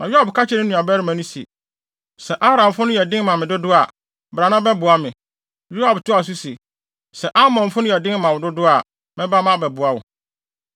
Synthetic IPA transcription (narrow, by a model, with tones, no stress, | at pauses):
nã˨ju˦a˦˨bkʰa˦t͡ɕʰɪ˦nɪ̃˦nũ˨a˨bɛː˦ɾɪ˦mã˨nʊ̃˦sḭ˨ | sɛ˨ʔa˦bɾã˨m˨fʊ˦nʊ̃˦jɛ˨dɪ̃˦nmã˨mɪ̃˨dʊ˦dʊ˦a˨ | bɾa˨nã˦bɛ˦bʊ˨a˦mɪ̃˨ | ju˦ha˨btʰʊ˦a˨s̬u˦se˨ | sɛ˨ʔa˦mɔ̃˨n˨fʊ˦nʊ̃˦jɛ˨dɪ̃˦mã˨wʊ˨dʊ˦dʊ˦a˨ | mɪ̃˦ba˦mã˦bɛ˨bʊ˨a˦wʊ̰˨